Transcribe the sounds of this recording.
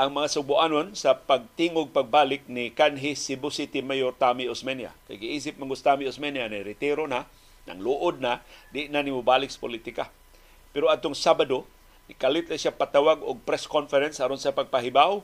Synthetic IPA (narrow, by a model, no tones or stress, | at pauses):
ʔaŋmɐŋasʊbʊʔanonsapaɡ̚t̪iŋʊɡ̚paɡ̚baːlɪk̚nɪkanɦɪsɪbʊsit̪ɪmajoɾt̪amiosmɛnja̰ka̰jɡɪiːs̬ɪp̚maŋɡʊst̪amiosmɛnjanajɾɪt̪iɾona | na̰ŋluʔʊd̪̚nad̪ɪʔnanimʊbaːlɪk̚sḁpʊlit̪ɪka | pɛɾoad̪̚t̪ʊŋsabado | nɪkalɪt̪naʃapat̪awaɡʊɡ̚pɾɛskonfɛɾɛnshaɾonsapaɡ̚paɦibaw